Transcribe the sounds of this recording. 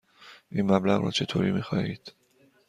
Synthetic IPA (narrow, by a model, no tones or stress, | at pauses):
ʔiːnmæblæɣrɒ̰ːt͡ʃʰe̞t̪ʰoːɾiːmiːxɒːhiːd̪̥